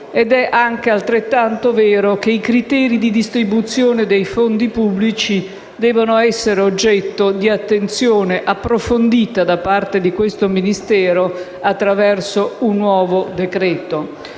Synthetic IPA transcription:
ɛd̪ɛʔaŋk̟ealt̪ɾet̪ːant̪ovɛːɾok̟eikɾit̪ɛːɾid̪id̪ist̪ɾibut̪sːjoːned̪ejfond̪ipubːlit͡ʃi | d̪ɛːvonoɛsːeɾeod͡ʒːɛt̪ːod̪iat̪ːent̪sjoːneʔapːɾofond̪iːt̪ad̪apart̪ed̪ikwest̪ominist̪ɛːɾo | at̪ːɾavɛrsounːwɔːvod̪ekɾɛːt̪o

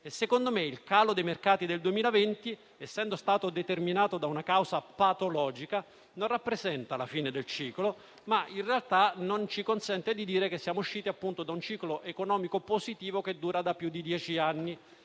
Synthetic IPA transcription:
esːekond̪omeilkaːlod̪ejmerkaːt̪id̪eld̪uemiːlavent̪i | ɛsːɛnd̪ost̪aːt̪od̪et̪erminaːt̪od̪aunakawzapat̪olɔːd͡ʒika | nonrapːɾezɛnt̪alafiːned̪elt͡ʃiːklo | mainrealt̪anont͡ʃikonsɛnt̪ed̪id̪iːɾekesːjaːmouʃːiːt̪iapːunt̪od̪aunt͡ʃiːkloʔekonɔːmikopozit̪iːvoked̪ːuːɾad̪apːjud̪ːid̪jɛːt͡ʃianːi

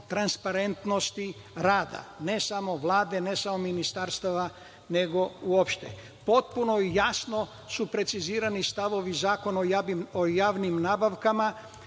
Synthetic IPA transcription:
t̪ɾanspaɾe̞nt̪no̞st̪i | ɾaːd̪a̰ne̞samo̞ʋlˠaːd̪e̞ne̞samo̞minist̪aɾst̪aʋa | ne̞ɡo̞uopʃt̪e̞̰ | po̞t̪̚puno̞ijasno̞ | supɾe̞t̪siziːɾanist̪aʋo̞ʋizaːko̞noojaːʋnimnaːbaʋkama

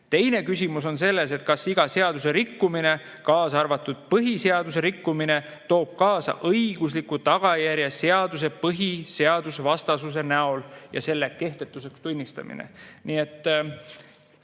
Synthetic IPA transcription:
t̪e̞jne̞kysʲimuso̞nse̞lːe̞se̞t̪̚kɑsiɡ̥ɑse̞ɑd̪̥use̞ɾikːumine̞ | kɑːsɑrvɑt̪ːud̪̥̚pɤɦise̞ɑd̪us̬eɾikːumine̞ | t̪o̞ːb̥̚kɑːsɑ̰ʔɤjɡ̥uslikut̪ɑɡ̥ɑjæɾjɑseɑd̪us̬e̞pɤɦise̞ɑd̪̥usvɑst̪ɑsus̬e̞næo̞ljɑ̰se̞lːe̞ke̞ht̪e̞t̪ːˑuse̞kst̪unʲːist̪ɑ̰mḭnḛnie̞t̪ːˑ

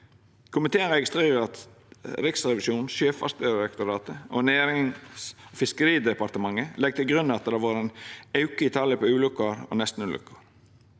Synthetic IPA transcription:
kʰʊmɪt̪ʰeːənɾɛɡɪst̪ɾeːɾəɾɑt̪ | ɾɪksɾɛʋɪʃuːnʃøːfɑ̰st̪əɾɛkt̪ʊɾɑːt̪əo̰neːɾɪŋsofɪskəɾiːd̪ɛpɑɾt̪əmɑŋːəlɛɡ̚t̪ʰɪlɡɾʉnːɑt̪̚d̪ɑʋɑːɾɛnɑʉkəɪt̪ʰɑləpʰoʉːlʉkːəɾo̰nɛst̪n̩ʉːlʏ̰kːəɾ

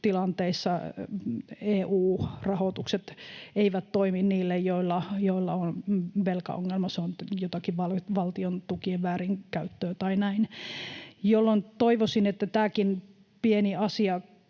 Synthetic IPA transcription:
t̪ilɑnt̪eisːɑ | eːʔuːrɑhot̪ukset̪eiʋæt̪toiminniːlːejjoilːɑjoilːɑonʋelkɑ̰o̰ŋːelmɑseonjot̪ɑkiʋʋɑlʋɑlt̪iont̪ukieʋʋæːriŋkæyt̪ːøːt̪ɑinæin | jolːont̪oiʋosinet̪ːæt̪æːkin | pieniɑsiɑ

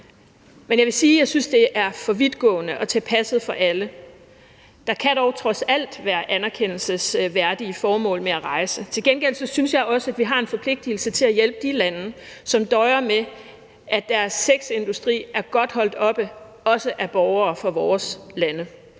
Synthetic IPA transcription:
menjɑɪʋe̝siːjɑ̈ɪsynsd̥e̝ʔæɐfɒ̽ʋið̥ˠɡ̥ɔ̰̽ːnəʔɒ̽t͡sʰepʰæsð̩ˠfɒ̽ʔælə | d̥ɑ̈kʰæɾ̥ɒʊt͡sʰʁɒ̽sæl̰d̥ʋæːɐʔænæɐkʰen̰l̩səsʋæɐd̥iəfɒːmɔ̰̽ːlmeæʁɑ̈ɪsət͡sʰe̝lɡ̥enɡ̥el̰sɒ̽synsjɑ̈ɪɒ̽səæd̥ʋiɦɑ̈e̝nfɒ̽pʰle̝ɡ̥̚d̥il̩sət͡sʰe̝læjel̰b̥əd̥ilænəsɒ̽md̥ɒɪɐme | ʔæd̥æɐsːeɡ̥se̝nd̥usd̥ʁḭːʔæɐɡ̥ɒ̽d̥hɒ̽l̰d̥ɒ̽b̥ə | ɒ̽səʔæb̥ɒʊɐːfɒ̽ʋɒːslænə

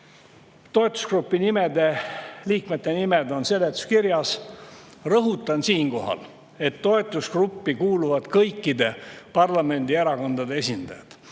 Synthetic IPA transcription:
t̪o̞e̞t̪ːˑu̥skrupːˑinimed̪e̞liːkmet̪ːe̞nimed̪o̞nse̞lːet̪u̥skiɾjɑs | rɤɦut̪ːˑɑnsiːŋko̞ɦɑ̰l | e̞t̪ːo̞e̞t̪ːˑuskrupːikuːluvɑd̪̥kɤjkːid̪e̞pɑrlɑme̞nʲd̪ieɾɑko̞nd̪̥ɑd̪ee̞sʲind̪̥ɑ̰jɑ̰d̪̥

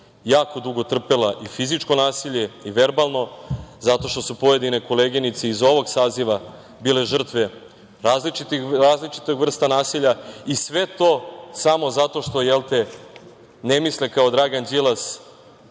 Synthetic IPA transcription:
jaːko̞d̪uɡo̞t̪r̩pelaʔifizit͡ʂko̞naːsiʎeiʋe̞ɾbalˠno̞zat̪o̞ʃt̪o̞supo̞je̞d̪ine̞ko̞leɡinit̪seizo̞ʋo̞ɡsaːziʋa | biːle̞ʒr̩t̪ʋe | ɾaːzlit͡ʃit̪iɾaːzlit͡ʃi̥t̪oɡʋr̩st̪anaːsiʎaisʋe̞t̪o̞samo̞zat̪o̞ʃt̪o̞jelˠt̪e̞ | nemislekao̞d̪ɾaɡand͡ʑilˠas

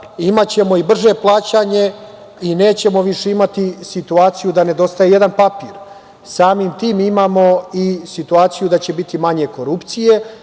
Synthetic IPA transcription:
imat͡ɕe̞mo̞ibr̩ʒe̞plˠaːt͡ɕaɲe̞ | ine̞ːt͡ɕe̞mo̞ʋiʃe̞imat̪isit̪uaːt̪sijud̪ane̞d̪o̞st̪ajejed̪anpapiːɾ | saːmimt̪iːmimaːmo̞isit̪uaːt̪sijud̪at͡ɕe̞bit̪imaɲe̞ko̞ɾupt̪sije̞

